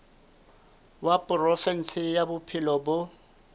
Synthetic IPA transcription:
wapʼʊrɔfɛn̩sɪjabʊpʰɪlɔbʊ

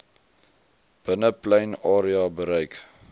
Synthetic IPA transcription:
b̥ənəplɛjnɑːɾiɑbəɾəjk

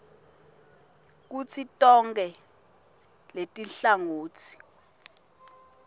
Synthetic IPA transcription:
k̬ut͡sʰitʼɔŋkɛ | letʼiɬaŋoːt͡sʰi̥

